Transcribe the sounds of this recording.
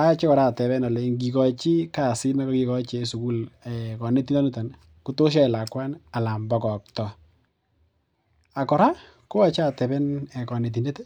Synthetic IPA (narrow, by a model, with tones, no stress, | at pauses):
a˦t͡ʃe˦kɔ˨ɾa˦˨tɛ˨bɛ˦nɔ˨le˨ŋɡi˨kɔ˨t͡ʃi˦ka˨si˦na˦kɔ˦ki˨kɔ˦t͡ʃe˨su˨ku˦lɛkɔ˨ne˦ti˦nɔ˦nɪ˦ta˨n | ku˦to˦ʃ̬a˦ɪ˨la˨kwa˦na˨la˨mbɔ˨kɔ˨k̚tɔ˨ | a˨kɔ˨ɾa˦ | ko˦a˨t͡ʃa˦˨tɛ˨bɛ˦nɛ˨kɔ˨ne˨t̬i˨ne˦te˦